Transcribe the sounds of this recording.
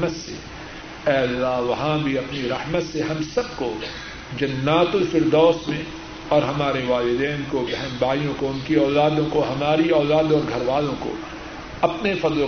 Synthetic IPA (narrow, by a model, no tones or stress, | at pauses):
mət̪sḛ | ɛːɐlːaɦʋɐɦãbʱiɐpniɾɐhmət̪seɦɐmsɐb̚ko | d͡ʒɐnːaːt̪ʊlfɪɾd̪ɔːsmẽ | ɔːɾɦɐmaːɾeʋaːlɪd̪ɛːnkobɛɦnbaːijõkoʊnkiɔːlaːd̪õkoɦɐmaːɾiɔːlaːd̪ɔːɾɡʱɐɾʋaːlõko̰ | ɐpnefɐd̪l